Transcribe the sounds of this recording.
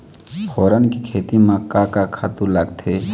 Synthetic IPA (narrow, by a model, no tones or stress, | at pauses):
foːɾənkikʰeːt̪imãkaːkakʰat̪ulɐɡt̪ʰeː